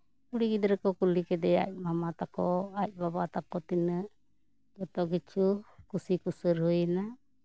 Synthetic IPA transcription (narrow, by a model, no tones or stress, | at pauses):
kuɽiɡid̪ɾɛkɔkulikɛd̪ɛa̰c̚ˀmamat̪akɔac̚ˀbabat̪akɔt̪inəʔ | d͡ʒɔt̪ɔʔkit͡ʃʰukusikusəɾɦujna